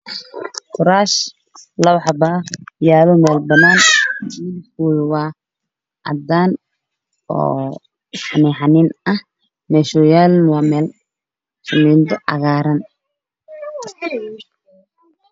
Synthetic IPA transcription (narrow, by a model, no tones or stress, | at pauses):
kʊɾaːʃ | lɐwħɑbajaːlɔmɛːlbɐnaːnː | fulwaː | ʔɐ̰d̪aːn | ɔ̰ː | fanɛːħanɪnɐh | mɛːʃʊjaːlnwɑːmɛːl | sʊmiːnd̪ɔʔɐ̰ɣaːɾɐn